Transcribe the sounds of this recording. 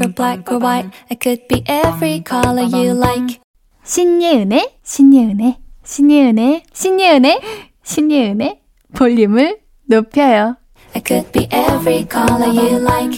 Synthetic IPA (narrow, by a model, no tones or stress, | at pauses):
əb̥læk̚owaɪt̚akʰɨd̚biʔɛvɹikʰɑləjɨlaɪk | ɕʰiɲːeɯneɕʰiɲːeɯneɕʰiɲːeɯneɕʰiɲːeɯne | ɕʰiɲːeɯne | poʎːimɯɭ | nopʰjʌjo | akʰɨd̚b̥iʔɛvɹikʰɑlˠəjʉlaɪk